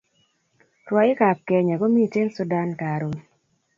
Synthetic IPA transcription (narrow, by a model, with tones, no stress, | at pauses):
ɾwɔ˨ɪ˦ka˨p̚kɛ˨ɲa˨ɡo˦mi˦˨te˦lsu˦da˦nka˨ɾo˨